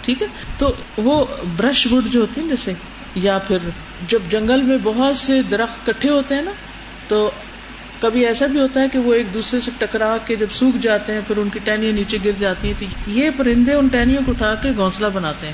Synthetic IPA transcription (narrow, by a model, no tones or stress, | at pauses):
ʈʰiːkɦɛːt̪oː | ʋobɾɐʃbʊʈd͡ʒoɦoːt̪eɦɛ̃d͡ʒɛːse | japʰɪɾ | d͡ʒɐbd͡ʒɐ̃ŋɡəlmẽbɐɦʊt̪sed̪ɐɾəxt̪kɐʈʰːeɦoːt̪eɦɛ̃ːna | t̪oː | kɐbʱiɛːsabʱiɦoːt̪aɦɛkeʋoeːk̚d̪uːsɾeseʈɐkɾaːked͡ʒɐbsuːkʰd͡ʒaːt̪eɦɛ̃pʰɪɾʊnkiʈɛːnijãniːt͡ʃeɡɪɾd͡ʒaːt̪iɦɛ̃t̪ojepɐɾɪ̃nd̪eʊnʈɛːnijõkoʈʰaːkeɡɔ̃ːslabɐnaːt̪eɦɛ̃ː